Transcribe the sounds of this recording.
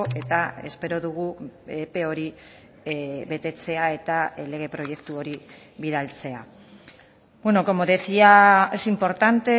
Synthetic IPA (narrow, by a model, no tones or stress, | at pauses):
e̞t̪ae̞̰spe̞ɾo̞ðuɣ̞uepe̞o̞ɾi | βe̞t̪e̞t͡se̞ae̞t̪ale̞ɣe̞pɾo̞je̞kt̪uo̞ɾi | βiðalt͡se̞a | bwe̞no̞ko̞moðesiaesimpo̞ɾt̪ant̪e̞